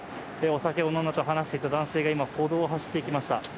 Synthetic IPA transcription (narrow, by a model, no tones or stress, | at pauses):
eo̞sake̞o̞nonat̪o̞ɦanaɕi̥t̪e̞it̪ad̪ãɰ̃se̞ːɡaimahʰo̞ːd̪o̞ːɦaɕi̥t̪ːe̞ikʲimaɕi̥t̪a